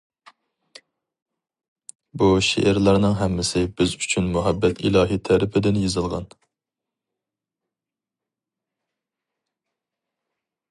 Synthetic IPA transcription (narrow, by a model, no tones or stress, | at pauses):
buʃḛʔɪɾlˠɑɾnɨŋɦɛmːɪsɪbɪzyt͡ʃʰynmuɦɛbːɛt̪ʰilˠɑːɦit̪ʰɛɾɪpʰɪd̪ɪnjezɨlˠʁɑ̰n